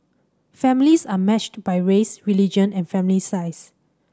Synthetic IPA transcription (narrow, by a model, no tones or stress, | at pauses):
fɛ̃milisamɛt͡ʃtbajɹesɹilid͡ʒə̃nɛ̃nfɛ̃milisaɪs